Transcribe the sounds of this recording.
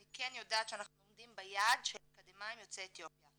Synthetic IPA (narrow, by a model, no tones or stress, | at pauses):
nikenjo̞daːt̪ʃeanaχnulomd̪imbejad̪ʃeemkad̪emajmjot͡seːt̪jo̞pja